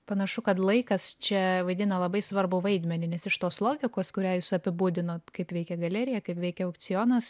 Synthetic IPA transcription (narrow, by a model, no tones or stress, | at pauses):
pɐnɐʃʊkɐt̪lˠɐɪkɐst͡ʃʲɛʋɐɪd̪ʲɪnɐlˠɐbɐɪsʋɐɾbʊʋɐɪd̪ʲmʲɛnʲɪnʲɛsɪʃt̪oːslˠoːɡʲɪkoːskʊɾʲæːjʊsɐpʲɪbuːd̪ʲɪnoːt̪kɐɪpʋʲɛɪkʲɛɡɐlʲɛɾʲɪjɛkɐɪpʋʲɛɪkʲɛʊkt͡s̪ʲɪjoːnɐs